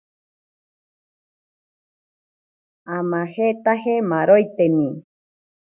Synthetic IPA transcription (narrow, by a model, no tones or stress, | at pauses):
amãhet̪ahemaɾojt̪enĩ